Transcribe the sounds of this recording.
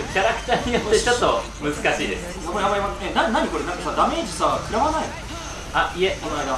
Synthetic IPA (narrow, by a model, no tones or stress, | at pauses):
kʲaɾakɯ̟̥t̪aːɲ̟ijo̞t̪ːe̞t͡ɕo̞t̪ːo̞ | mɯ̟zɨkaɕiːd̪e̞sɨ̥ | akoabaimaenaɲnaɲ̟iko̞ɾe̞nãŋkasad̪ame̞ːd͡ʑisakɯ̟ɾaβanai | aieaa